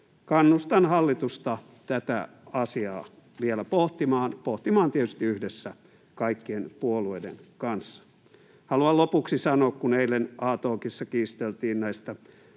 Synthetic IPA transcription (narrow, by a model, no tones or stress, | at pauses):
kɑnːust̪ɑnhɑlːit̪ust̪ɑ | t̪æt̪æ̰ | ɑsiɑ̰ː | ʋielæpoht̪imɑːnpoht̪imɑːnt̪iet̪yst̪iyhdesːæ | kɑikːienpuoluoidḛnkɑnsːɑ̥ | hɑluɑlopuksisɑnoːkkuneilenɑːt̪oːkisːɑkiːst̪elt̪iːnnæist̪æ